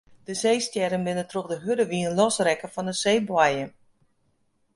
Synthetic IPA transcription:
d̥əsejstjɛɾənbɪnətroχdəɦødəʋiənlɔsrɛkəfɔndəseːbwajən

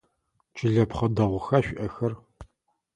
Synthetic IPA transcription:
t͡ʃʼɪɮɐpχɐdɐʁʷʊxaʃᶣʷʔɐxɐr

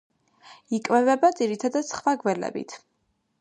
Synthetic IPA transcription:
ikʼvɛvɛbad̪ziɾit̪ʰad̪ad̪sχwaɡwɛlɛ̰bḭt̪ʰ

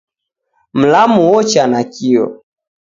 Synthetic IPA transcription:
m̩lamuwɔt͡ʃanakiɔ̰

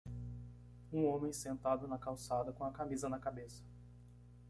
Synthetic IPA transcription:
ũõmẽj̃sẽnt̪ad̪ʊnɐkawsad̪ɐkõɐkamizɐnɐkabesɐ̥

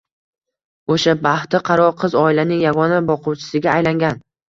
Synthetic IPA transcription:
oʃabaht̪ɪqʰɑɾɒqʰɨzɒɪlanɪŋjaɡɒnabɒqʰʊwt͡ʃʰɪ̥sɪɡʲaːjlaŋɡʲan

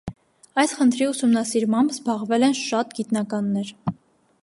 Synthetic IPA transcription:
ɑjsχənt̪ʰɾiusumnɑsiɾmɑmbzbɑʁvɛlɛnʃɑt̪ɡit̪nɑkɑnːɛɾ

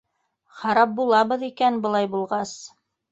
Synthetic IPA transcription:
χɑɾɑp̚bulˠɑβɤ̆ðikænbɤ̆lˠɑjbulˠʁɑs

